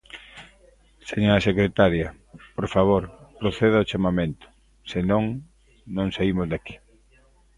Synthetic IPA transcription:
seɲoɾɐsekɾet̪aɾjɐ | poɾfaβ̞oɾpɾoθeð̞aot͡ʃamamẽnt̪ʊ̥ | sɪnõŋ | nõŋsaimʊzðaki̥

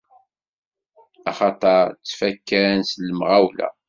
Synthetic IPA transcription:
ɑχɑt̪ˤɑɾt͡sːfækːæɾnsləmʁawlæ̰

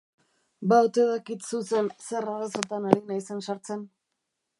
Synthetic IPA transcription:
baut̪eðakit̪suse̞nse̞raɾaso̞t̪anaɾinajse̞nsaɾt͡se̞n

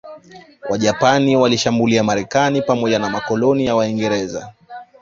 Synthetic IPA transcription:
waʄapaniwaliʃambuliamaɾɛkanipamɔʄanamakɔlɔnijawaiŋɡɛɾɛza̰

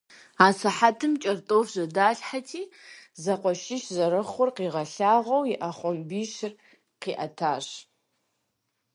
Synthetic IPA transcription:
aːsɐħatʰɨmt͡ʃʼɐrtʼoːfʑɐdaːɬħatʰiːzɐqʷɔʃɪʃzɐɾɨχʊrqiːʁɐɬaːʁɐwjɪʔɐχʷɔmbiːʃɪr | qiːʔɐtʰaːɕ

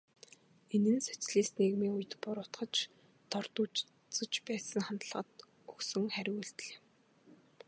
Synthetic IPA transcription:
enɘ̆nsɵ̥t͡sɮiːsneɣmiːŋuj̆t̪pʊɾʊt̪χə̆t͡ɕ | t̪ɔrt̪uːt͡ɕ | t͡sɵ̆t͡ɕpæːsə̆ŋχant̪ə̆ɮʁə̆t̪ | ɵksɵ̆ŋχæɾʲɣuɬt̪ɮeː

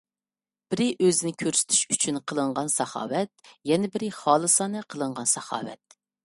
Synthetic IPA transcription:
b̥ɪɾɪʔøzɪnɪkʲʰøɾsy̥t̪ʰy̥ʃyt͡ʃʰynqʰəlˠəɴʁɑnsɑχɑ̰ːwɛt̪̚jɛnɛbɪɾɪχɑːlˠɨsɑːnɨqʰəlˠɨɴʁɑnsɑχɑ̰ːwɛ̰t̪̚

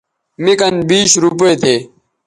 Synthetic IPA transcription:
mikɐnbiːɕɾup̬eet̪ʰeː

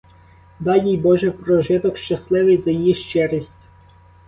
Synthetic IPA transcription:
d̪ɑjijbɔʒɛpɾɔʒɪt̪ɔkʃt͡ʃɐslˠɪʋɪjzɐjijiʃt͡ʃɛɾisʲtʲ

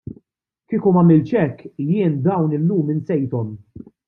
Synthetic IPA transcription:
kiːkumɐmɪlt͡ʃɛkːjɪːnd̪ɐwnɪlːuːmɪnsɛjt̪ɔm

